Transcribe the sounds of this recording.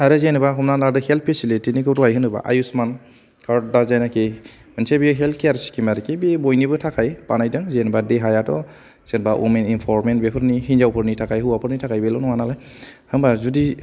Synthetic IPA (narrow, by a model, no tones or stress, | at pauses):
aɾɯzenɯbaɦɔmnanadɯhelt̚ʰpʰesilitinikʰɯwtɔajɦɯnɯba̰ʔa̰jusman | kʰaɾdazajnake | mɯnsebiɦeltʰkʰejaɾsi̥kimaɾikebibojnibɯtʰakʰajpanajdɯŋzenbadeɦajatɔ | z̥enbaʔṵmeninpʰɔɾmentbepʰɯɾniɦinzawpʰɯɾnitʰakʰajɦɯwapʰɯɾnitʰakʰajbelɔnɔwanalajhɯmbazudi